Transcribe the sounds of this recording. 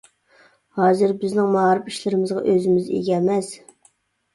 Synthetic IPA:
hɑːzɨɾbɪznɪŋmɑɾɪpiʃlɪɾɪmɪzʁɑ̰ʔøzɪmɪzḛɡʲɛmɛs

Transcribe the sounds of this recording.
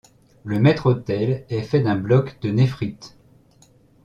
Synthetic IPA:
ləmɛt̪χot̪ɛlɛfɛd̪ɛ̃blɔkd̪ənefχit̪

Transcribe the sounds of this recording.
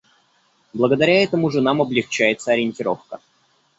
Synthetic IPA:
blˠəɡəd̪ɐɾʲaɛt̪əmʊʐɨnamɐblʲɪxt͡ɕæjɪt̪səɐɾʲɪnʲtʲɪɾo̞fkə

